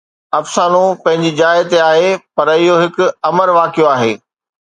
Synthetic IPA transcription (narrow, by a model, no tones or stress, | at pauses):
ɐfsaːnũpɐ̃ɦɪ̃ɲd͡ʑid͡ʑaːɪt̪eaːɦepɐɾɪɦoɦɪkʊ̆ɐməɾʋaːkijoaːɦeː